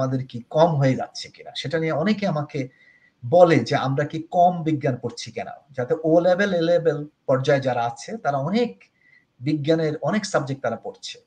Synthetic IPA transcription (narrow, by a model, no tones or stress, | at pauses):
mad̪eɾkikɔmɦoed͡ʑa̰tːɕʰe̥kina̰ʃeʈanijeɔnekeamake | bɔled͡ʑea̰mɾakikɔmbiɡːankoɾt͡ɕʰikɛna̰d͡ʑat̪eʔolebelelebelpɔɾd͡ʑaed͡ʑaɾaat͡ɕʰet̪aɾaɔnek | biɡːaneɾɔneksəb̚d͡ʑekʈ̚t̪aɾapoɾt͡ɕʰe̥